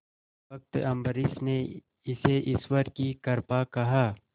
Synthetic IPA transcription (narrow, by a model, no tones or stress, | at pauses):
ɐk̚t̪ɐ̃mbəɾɪsne | ɪseʔɪswəɾkikɐɾpakɐɦaː